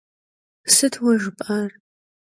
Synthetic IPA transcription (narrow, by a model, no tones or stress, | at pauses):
sɨtʰwɐʒɨpʼar